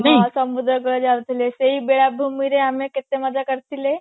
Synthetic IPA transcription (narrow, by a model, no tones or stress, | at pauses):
nasəmud̪ɾəɡəd͡zalt̪ileseɦibeɭabʱumiɾeamẽket̪eməd͡zʱakəɾt̪ile